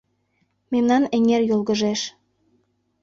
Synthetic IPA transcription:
memnɑneŋerjolˠɣəʒeʃ

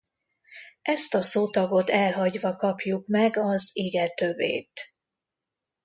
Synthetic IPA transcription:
ʔɛst̪ɒsoːt̪ɒɡo̞t̪ɛlɦɒɟʋɒkɒpjukmɛɡɒziɡɛt̪øbːḛːt̪

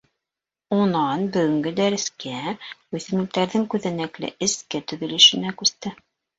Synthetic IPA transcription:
unɑnbɵ̆ɡɵ̆ŋɡɘd̪æɾɘ̆skæʉθɘ̆mɘ̆l̚t̪æɾðɘŋkʉðænæklɘ̰ʔɘ̆skɘt̪ɵ̆ðɘ̆lɘ̆ʃɘ̆nækʉst̪ɘ

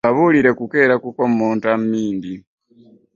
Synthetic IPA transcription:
aβuliɾekukeːɾakukommoːntammiːndi

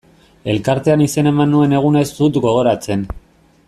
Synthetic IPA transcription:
e̞lkaɾt̪e̞anise̞ne̞manːue̞ne̞ɣ̞unaesd̪ut̪ɡo̞ɣ̞o̞ɾat͡se̞n

